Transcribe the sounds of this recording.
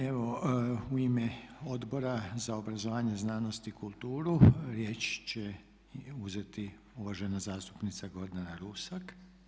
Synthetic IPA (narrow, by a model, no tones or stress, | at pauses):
e̞ʋo̞uimeo̞d̪bo̞ɾazaobɾazoʋaːɲeznaːnost̪ikulˠt̪uːɾuɾje̞ːt͡ʃt͡ɕe | uze̞t̪i | uʋaʒenazaːst̪u̥pnit̪saɡod̪nanaɾusak